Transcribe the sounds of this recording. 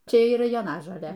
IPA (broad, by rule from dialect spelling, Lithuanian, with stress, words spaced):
ˈt͡ʃʲɛ iːˈrɐ joːˈnɑːʒoːlʲeː